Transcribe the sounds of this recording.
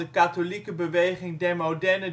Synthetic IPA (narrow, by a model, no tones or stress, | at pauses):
əkaːtolikəbəʋejχɪŋdɛɹmowdɛɹnə